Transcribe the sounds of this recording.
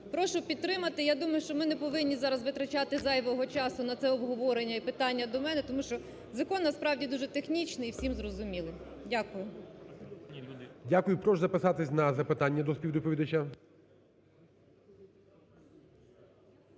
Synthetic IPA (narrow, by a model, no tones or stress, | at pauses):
pɾɔʃʊpʲid̪̚t̪ːɾɪmɐt̪ɪjad̪umɐjʊʃt͡ʃɔmɪnɛpɔʋɪnʲːizɑɾɐzʋɪt̪ɾɐt͡ʃɑt̪ɪzɑjʋɔɦɔt͡ʃɑsʊnɐt̪sɛɔbɦɔʋɔɾenʲːɐipɪt̪ɑnʲːɐd̪ɔmɛnɛt̪ɔmuʃt͡ʃɔ | zɐkɔnːɐspɾɑwdʲid̪uʒɛt̪exnʲit͡ʃnɪiwsʲimzrɔzʊmʲilˠɪ | dʲakʊjʊ | dʲakʊjʊpɾɔʒzɐpɪsɑt̪ɪsʲnɐzɐpɪt̪ɑnʲːɐd̪ɔspʲiwd̪ʊpʲɔʋʲid̪ɐt͡ʃʲa